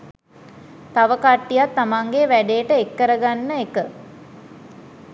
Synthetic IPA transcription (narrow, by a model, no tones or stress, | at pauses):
t̪aʋəkaʈːijat̪ːamaŋɡeʋæɖejəʈəekːəɾəɡanːəekə